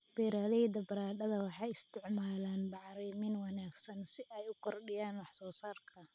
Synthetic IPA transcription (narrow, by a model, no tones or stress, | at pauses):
b̥ɛːɾaːðɛjd̪ɐbɐɾaːɗɐðɐwɑħɑːjɪst̪ʰɪʕmaːlaːnbɑʕɾiːmɪnwɑnaːɡsɐnsɪʔɛjʊkʰɔrɗɪjaːnwɑħsɔːsaːrkʰɐ